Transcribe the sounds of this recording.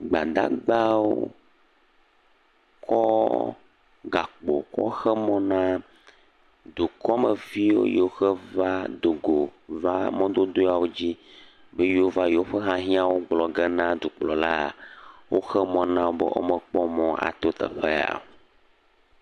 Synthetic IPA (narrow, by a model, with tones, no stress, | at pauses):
ɡ͡ba˨d̪a̰˦ɡ͡ba˦wo̰˦ | kʰɔ˦ | ɡa˨k͡po̰˨kɔ̰˦xɛ˦mɔ̃˦nã˦ | d̪u˨kɔ˦me˨vi˦wo̰˦je˨o˦xɛ˦va˦d̪o˨ɡo˨va˦mɔ̃˦d̪o˦d̪o˦a˨wo˦d͡ʑi˦ | be˦jo˦va˦jo˦ɸɛ˦ɦã˦ɦĩ˦a˦wo˦ɡ͡blɔ˨ɡɛ˦nã˦d̪u˨k͡plɔ˨la˦˨wo˦xɛ˦mɔ̃˦nã˦wo˦bɛ̰˦ʔo̰˦mɛ˨k͡pɔ˦mɔ̃˦a̰˨t̪o˦t̪ɛ̰˨ɸe˦a̰˨